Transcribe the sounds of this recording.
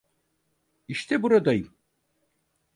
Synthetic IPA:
iʃt̪ʰɛbuɾad̪ajɯm

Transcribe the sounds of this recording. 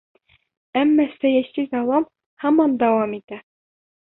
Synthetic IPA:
æmːɑsæjæsizɑlˠɑm | hɑmɑnd̪æwɑmit̪æ

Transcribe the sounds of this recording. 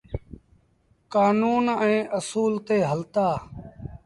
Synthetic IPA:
kaːnuːnɛ̃ːʔəsuːlt̪eːɦəlt̪aː

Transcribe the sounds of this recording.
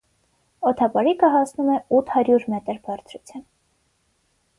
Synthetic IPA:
ɔt̪ʰɑpɑɾikəɦɑsnumɛut̪ʰhɑɾjuɾmɛt̪əɾbɑrt͡sʰɾut͡sʰjɑn

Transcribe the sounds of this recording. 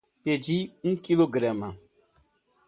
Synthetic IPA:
ped͡ʒiũkiloɡɾama

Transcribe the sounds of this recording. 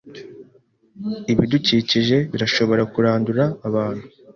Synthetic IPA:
iβiduciːciʒe̞βiɾaʃo̞βo̞ɾakuɾaːnduɾaːβaːn̥hu

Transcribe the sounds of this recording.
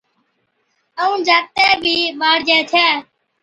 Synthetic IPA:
əũːd͡ʒaːt̪ɛːbʱiːmaːɽd͡ʒɛːt̪ʰɛː

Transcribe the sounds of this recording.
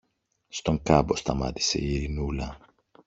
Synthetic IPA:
st̪o̞ŋkɐbo̞st̪ɐmɐ̰t̪i̥se̞̰iɾinulɐ

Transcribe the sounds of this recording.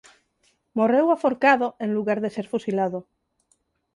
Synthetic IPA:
morewafoɾkaðoẽnluɣaɾðeseɾfusilaðo

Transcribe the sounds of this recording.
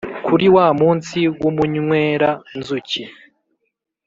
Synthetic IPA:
kʰuɾiwaːmuːnsiwumuɲweːɾanzuci

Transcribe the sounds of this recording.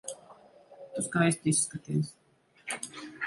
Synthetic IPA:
t̪uskajst̪isːkat̪iɛs

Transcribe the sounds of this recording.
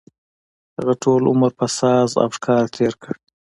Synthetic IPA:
haɣaʈʰoːlʊməɾpasɑːza̰fʃkʰɑːɾt̪ʰeːɾkəɽ

